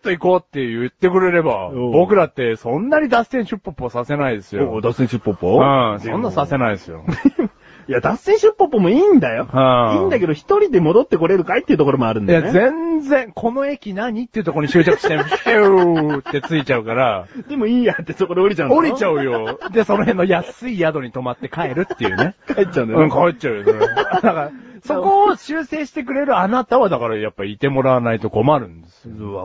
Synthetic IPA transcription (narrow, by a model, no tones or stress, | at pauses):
t̪ːoikoːt̪ːe̞jɯ̟t̪ːe̞kɯ̟ɾe̞ɾe̞ba̰obo̞kɯ̟ɾat̪ːe̞sõ̞nːaɲ̟id̪asẽ̞ɰ̃ɕɨpːopːosase̞naid̪e̞sɨjooːd̪asẽ̞ɰ̃ɕɨpːopːoɯ̃sõnːasase̞naiesɨjo̰ | jad̪aseɰ̃ɕɨpːopːomo̞iːnd̪ajõ̞iːnd̪ake̞d̪oçi̥t̪o̞ɾʲid̪e̞mo̞d̪o̞t̪ːe̞ko̞ɾe̞ɾɯ̟kait̪ːeiɯ̟t̪o̞koɾo̞moaɾɯ̟̃ndajjaezẽ̞nd͡zẽ̞ŋkʰo̞no̞e̞kʲinaɲ̟it̪ːeiɯ̟t̪okoɾoɲiɕɨːt͡ɕakɯ̟ɕi̥t̪eet̪ːe̞t͡sɨit͡ɕaɯ̟kaɾad̪̥emoiːjat̪ːesokod̪eoɾʲit͡ɕãnoɾʲit͡ɕaɯ̟jo̞d̪e̞so̞no̞ɦẽ̞nːo̞jasɨijad̪o̞ɲ̟it̪o̞mat̪ːe̞kae̞ɾɯ̟t̪ːe̞jɯ̟ne̞kait͡ɕːaɯ̃nɯ̃ŋkaet͡ɕaɯjod̪akaɾaso̞kko̞ːɕɨːse̞ːɕi̥t̪e̞k̬ɯ̟ɾe̞ɾɯ̟anat̪aβad̪akaɾajapːait̪e̞mo̞ɾaβanait̪o̞ko̞maɾɯ̟̃nd̪eesɨ̥